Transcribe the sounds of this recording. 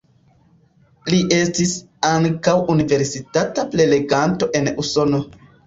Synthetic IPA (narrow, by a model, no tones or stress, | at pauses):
liʔe̞stis | aŋkawunive̞ɾsitataple̞le̞ɡanto̞ʔe̞nuso̞no̞